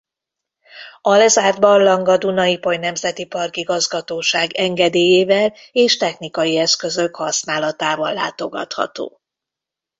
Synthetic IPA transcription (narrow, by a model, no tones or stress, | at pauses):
ɒlɛzaːrd̪bɒrlɒŋɡɒd̪unɒjipojnɛmzɛt̪ipɒrkiɡɒzɡɒt̪oːʃaːɡɛŋɡɛd̪eːjeːvɛl | eːʃt̪ɛxnikɒjiɛskø̞zøkhɒsnaːlɒt̪aːvɒlːa̰ːt̪o̞ɡɒ̰t̪hɒ̰t̪o̰ː